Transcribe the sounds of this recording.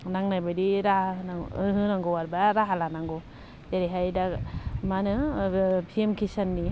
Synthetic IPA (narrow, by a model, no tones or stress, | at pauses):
naŋnajbadiɾanaɯɦɯnaŋɡɔwaɾbaɾaɦalanaŋɡɔ | d͡ʒeɾiɦajdamanɯpʰiemkʰisanːi